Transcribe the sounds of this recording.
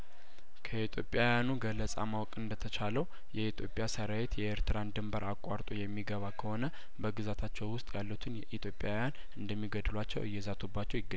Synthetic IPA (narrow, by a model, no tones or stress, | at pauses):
kʰəit̪ʰjo̞pʼjawjanuɡəlːəsʼa̰mawkʼɨnd̪ət̪ʰət͡ʃʰaləw | jɛit̪ʰjo̞pʼːjasəɾawet̪jɛeɾt̪ʰɨɾand̪ɨmbəɾakʼaɾt̪ʼojɛmːiɡəβakʰəho̞nə | bəɡɨzat̪ʰat͡ʃːɛwwʊst̪ʼjalːut̪ʰɨnjɛʔit̪ʰjo̞pʼjawjan | ɨnd̪əmːiɡəd̪ɨlwat͡ʃːɛwʔɨjːɛzat̪ʰubːat͡ʃːɛwjɪɡːə